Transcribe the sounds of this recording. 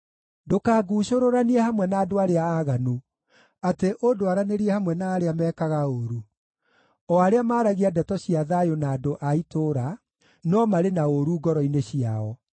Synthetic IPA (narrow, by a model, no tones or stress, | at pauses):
dokaːɡuːɕoɾoɾaniɛhamwɛnaːdoaɾeaːɣanu | ateʔodoaɾaneɾiɛhamwɛnaːɾeamɛːkaɣaoɾu | ɔaɾeamaːɾaɣiadɛtɔɕiaðajonaːdoʔaitoɾa | nɔmaɾenaoɾuːɡɔɾɔineɕiaɔ